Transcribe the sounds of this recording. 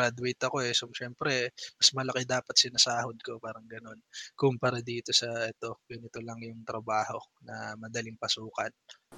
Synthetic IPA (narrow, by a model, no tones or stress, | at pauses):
ɾad̪wejt̪ɐko̞ɛsomʃɛmpɾɛmɐsmɐlɐkɛd̪aːpɐt̪sɪnɐsaːhod̪̚ko̞paːɾɐŋɡɐno̞nkʊmpɐɾad̪iːt̪o̞sɐɛt̪o̞ɡɐnɪt̪olɐŋjʊŋt̪ɾɐbaːho̞nɐ̰mɐd̪ɐlɪŋpɐsuːkɐn